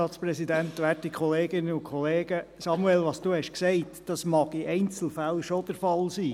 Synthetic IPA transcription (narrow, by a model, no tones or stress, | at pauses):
ɑːtspɾɛsidænt̪ʋætikχɔleːɡɪnːəʊkχɔleːɡ̥əsɑmuɛlʋɑːsd̥uːhɛʃksɛɪtd̥ɑsmɑɡ̥ɪʔɛɪnt͡sl̩fælʃod̥əɾfɑlsiː